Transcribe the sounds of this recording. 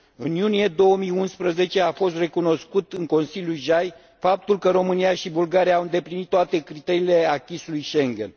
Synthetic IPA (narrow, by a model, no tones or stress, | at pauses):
ɨnjunije̞d̪o̞əmijunspɾəze̞t͡ʃe̞afo̞st̪re̞kuno̞skut̪ɨŋko̞nsilʲjulʒaj | fap̚t̪ulkəɾo̞mɨnijaʃibulɡaɾijaːwɨnd̪e̞plinit̪ːoat̪e̞kɾit̪e̞ɾiːle̞akʲisulujʃeŋɡʲḛn